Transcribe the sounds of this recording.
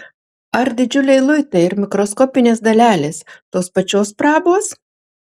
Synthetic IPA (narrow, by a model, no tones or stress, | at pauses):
ɐɾd̪ʲɪd͡ʒʲʊlʲɛɪlˠʊɪt̪ɐɪɪɾmʲɪkɾɔskoːpʲɪnʲeːsd̪ɐlʲæːlʲeːst̪oːspɐt͡ʃʲoːspɾɑːboːs